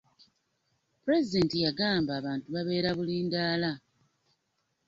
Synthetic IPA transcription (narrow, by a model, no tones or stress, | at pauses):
puɾe̞zide̞ntijaɡaːmbaːβaːntuβaβe̞ːɾaβuliːndaːla